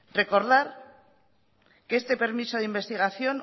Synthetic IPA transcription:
re̞ko̞ɾðaɾ | keest̪e̞pe̞ɾmiso̞ðeimbe̞st̪iɣaθjo̞n

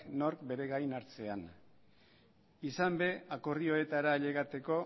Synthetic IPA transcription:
no̞ɾkbe̞ɾe̞ɣajnaɾt͡se̞an | isambe̞akorðio̞e̞t̪aɾaʎe̞ɣat̪e̞ko̞

